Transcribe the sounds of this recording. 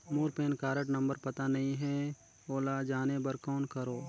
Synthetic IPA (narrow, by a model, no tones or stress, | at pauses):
moːɾpeːnkaːɾəʈnɐ̃mbəɾpɐt̪anɐɦĩɦɛ | oːlad͡ʒaːnebəɾkɔːnkɐɾoː